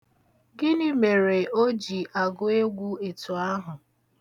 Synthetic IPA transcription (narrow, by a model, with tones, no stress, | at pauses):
ɡɪ˦nɪ˦me˨ɾe˨o˦d͡ʒi˨ʔa˨ɡʊ˦e˦ɡʷu˦e˨tu˨a˦ɦʊ˨